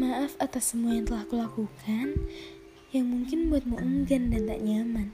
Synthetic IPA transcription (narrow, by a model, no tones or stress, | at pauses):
maʔafat̪asəmuajaŋt̪əlahkulakukʰan | jaŋmuŋkɪnbuat̪̚məʔuŋɡandant̪a̰ʔɲaman